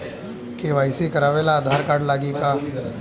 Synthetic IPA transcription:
keʋaːjsikɐɾaːʋeːlaːd̪ʱaːɾkaːɖlaːɡika

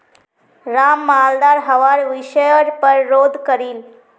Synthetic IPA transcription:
ɾamːald̪aɾɦəʋaɾʋiɕəjəɾpəɾːod̪ʱkəɾiːl

